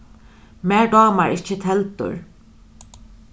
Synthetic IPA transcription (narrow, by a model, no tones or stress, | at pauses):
mɛɹɖɔːmaɹɪht͡ʃːɪt̪ʰɛlt̪ʊ̰ɹ